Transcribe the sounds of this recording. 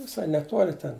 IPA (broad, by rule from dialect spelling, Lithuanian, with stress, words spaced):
ʋʲɪˈsɐɪ nʲɛˈtuɔlʲɪ tʲɛn